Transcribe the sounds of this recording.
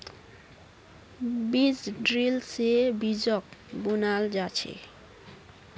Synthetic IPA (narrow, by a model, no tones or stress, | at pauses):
bid͡ʑɖɾilsebid͡ʑɔk̚bunald͡ʑat͡ɕʰḛ